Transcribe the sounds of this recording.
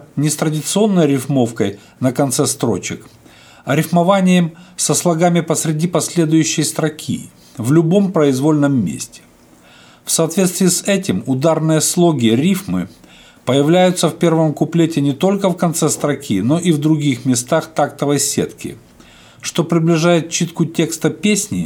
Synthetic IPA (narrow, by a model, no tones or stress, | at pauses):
nʲɪst̪ɾədʲɪt̪sɨo̞nːəjɾʲɪfmo̞fkəj | nəkɐnt̪sɛst̪ɾo̞̰t͡ɕɪk | ɐɾʲɪfmɐvanʲɪjəmsəslˠɐɡamʲɪpəsɾʲɪdʲipɐsʲlʲe̞d̪ʊjʉɕːɪjst̪ɾɐkʲʰḭ | vlʲʊbo̞mpɾəɪzvo̞lʲnəmːʲḛsʲtʲɪ̥ | fsɐːt̪vʲet̪st̪vʲiːsɛtʲɪmʊd̪arnɨjəslˠo̞ɡʲɪɾʲifmɨ̰ | pəjɪvlʲæjʊt̪səfpʲe̞rvəmkʊplʲetʲɪnʲɪt̪o̞lʲkəfkɐnt̪sɛst̪ɾɐkʲʰino̞ʔivd̪ɾʊɡʲixmʲɪst̪axt̪akt̪əvəjsʲḛt̪kʲɪ̰ | ʂt̪o̞pɾʲɪblʲɪʐajɪt̪̚t͡ɕːit̪kʊtʲe̞kst̪əpʲesʲnʲɪ